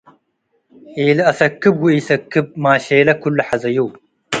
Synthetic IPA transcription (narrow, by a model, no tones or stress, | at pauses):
eːlɐɐsɐkːɨb̚ɡuiːsɐkːɨb̚maːɕeːlɐkulːɐħɐzɐjow